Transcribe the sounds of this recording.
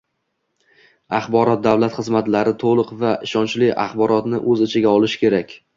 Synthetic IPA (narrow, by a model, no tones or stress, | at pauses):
ɑχbɒɾɒt̪̚d̪awlat̪χɨzmat̪laɾɪt̪ʰolˠʊqvaʔɪʃɒnt͡ʃlɪʔa̰χbɒɾɒt̪nɪʔɵzɪt͡ʃʰɪɡʲaɒlˠɪʃkʲʰeɾakʲ